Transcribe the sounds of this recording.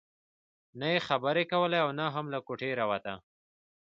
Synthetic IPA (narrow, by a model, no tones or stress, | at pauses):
najexabəɾekawəlajawnaɦamlakoʈeɾawat̪a